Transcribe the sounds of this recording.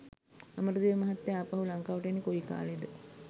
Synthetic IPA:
aməɾud̪iʋəmɐɦat̪ːeaːpaɦulaŋkaːʋɐʈjenːikoika̰ːled̪ə

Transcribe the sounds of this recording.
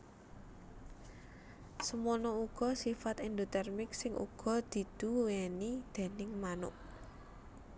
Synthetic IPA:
səmonɔuɡ̥ɔ̤sifat̪ɛnd̪ot̪ɛrmɪk̚sɪŋʔṵɡ̥ɔ̤d̪̥i̤d̪̥ṳwɛnid̪̥e̤nɪŋmanʊ̰ʔ̚

